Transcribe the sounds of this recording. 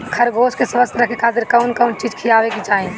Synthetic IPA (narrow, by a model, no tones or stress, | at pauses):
kʰɐɾɡoːskesʋəst̪ʰɾɐkʰekʰaːt̪ɪɾkɐʊnkɐʊnt͡ʃiːd͡ʒkʰijaːʋekit͡ʃaːẽ